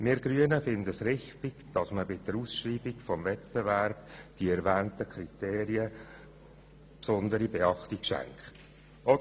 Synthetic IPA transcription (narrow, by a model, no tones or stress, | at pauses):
mɪɾɡɾyənəfɪnd̪əsɾɪχt̪ɪɡd̥ɑsməbɪdəɾuːsʃriːbiɡfɔmvɛtb̥evɛɾb̥d̥iɛɾvæːnt̪əkʰɾit̪eːɾiə | psɔnd̪əɾibeɑχt̪ikʃæ̰ŋkχt | ʔɔd